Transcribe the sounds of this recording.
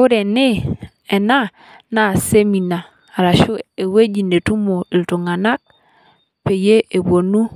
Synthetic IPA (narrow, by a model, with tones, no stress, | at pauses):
ʊ˦ɾe˨ni˦ | e˨na˦ | na˨se˦mi˨naː˨ | ɾa˨ʃu˦e˨we˦d͡ʒi˨ne˨tu˦mo˨i˨ltu˨ŋa˨na˦k̚ | pe˨je˦e˨bo˨nu˦